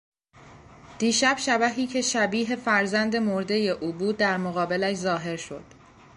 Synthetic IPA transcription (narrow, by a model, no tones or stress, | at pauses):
d̪̥iːʃæb̥ʃæbæɦiːcʰe̞ʃæbiːɦe̞fæɾzænd̪e̞mo̞ɾd̪e̞je̞ʔuːbuːd̪̚ːæɾmoɣɒːbe̞læʃzɒːɦe̞ɾʃo̞d̪̥